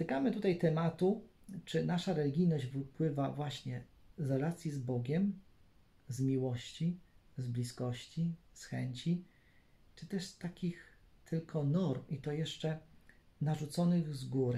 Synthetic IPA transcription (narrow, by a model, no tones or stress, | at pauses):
t̪ɘkamɘt̪ut̪ajt̪ɛmat̪ut͡ʂɘnaʂaɾɛlʲiɡʲijnɔʑd͡ʑvɘpwɘvavwaɕɲɛ | zɾɛlat̪sʲjizbɔɡʲɛm | zmʲiwɔɕt͡ɕizblʲiskɔɕt͡ɕisxɛɲt͡ɕi | t͡ʂɘt̪ɛʂst̪akʲixt̪ʰɘlkʰɔnɔɾmit̪ɔjɛʂt͡ʂɛnaʐut̪sɔnɘɣzɡuɾɘ